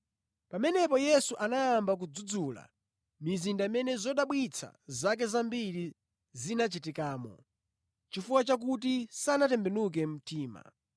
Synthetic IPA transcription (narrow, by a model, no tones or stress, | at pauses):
pamɛnɛpɔjɛsuʔanajambak̬ud͡zud͡zuːla̰ | mizindaimɛnɛzɔɗaɓwit͡sʰa̰zak̬ɛzambiɾi | zinat͡ʃitikaːmɔ̰ | t͡ʃifuwat͡ʃak̬ut̬isanatɛmbɛnuk̬ɛm̩tʰiːma̰